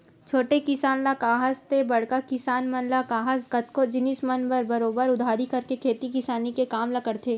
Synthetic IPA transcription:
t͡ʃʰoːʈekɪsaːnlɐkaːɦəst̪ebɐɽ̤kakɪsaːnmɐnlakaːɦəsɡɐt̪kod͡ʒɪnismɐnbɐɾbɐɾoːbəɾʊd̪ʱaːɾikɐɾkekʰeːt̪ikɪsaːnikekaːmlɐkəɽt̪ʰeː

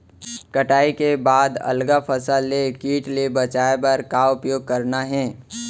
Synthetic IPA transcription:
kəʈaːikebaːd̪ɐ̰lɡapʰəsəlːekiːʈlebɐt͡ʃaːebɐɾkaʊpjoːɡ̚kɐɾnaɦɛ̃ː

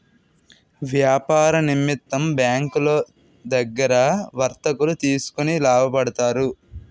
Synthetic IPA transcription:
ʋjaːpaːɾɐnimːit̪ːɐmbjaːŋkulo̞ː | d̪ɐɡːɐɾɐʋɐɾt̪ɐkulut̪iːsu̥kunilaːbʱɐpɐɽɐt̪aːɾu

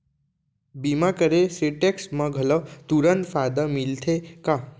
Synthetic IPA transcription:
bimakəɾeseʈeksməɡʱələt̪uɾənt̪fʰad̪əmilt̪ʰeka

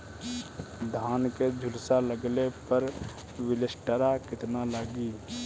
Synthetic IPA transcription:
d̪ʱaːnked͡ʒʱʊlsaləɡlepəɾ | ʋɪlɪsʈəɾakɪt̪nalaːɡiː

